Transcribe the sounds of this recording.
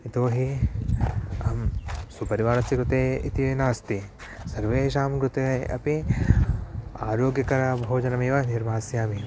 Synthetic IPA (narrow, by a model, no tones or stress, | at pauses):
it̪oːɦi | ɐmsupɐɾiʋaːɾɐsjɐkɾut̪eːit̪inaːst̪i | sɐɾʋeːʃaːmkɾut̪eɐ̰pi | aːɾoːɡjɐkɐɾɐbʱoːd͡ʒɐnɐmeːʋɐniɾbʱaːsjaːmi